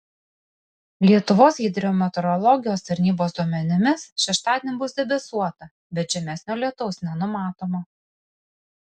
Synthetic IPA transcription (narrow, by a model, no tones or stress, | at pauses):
lʲiɛt̪ʊʋoːsɡʲid̪ʲɾʲɪoːmʲɛt̪ɔɾɔlˠɔɡʲɪjoːst̪ɐɾʲnʲiːboːsd̪uɔmʲɛnʲɪmʲɪsʃʲɛʃt̪ɑːd̪ʲenʲɪbʊsd̪ʲɛbʲɛsuɔt̪ɐ | bʲɛt̪ʒʲɛmʲɛsʲnʲoːlʲiɛt̪ɔʊsnʲɛnʊmɑːt̪oːmɐ